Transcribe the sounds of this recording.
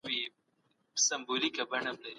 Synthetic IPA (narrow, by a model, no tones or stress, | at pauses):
wi | sɐmbolikabɐɳamlaɾ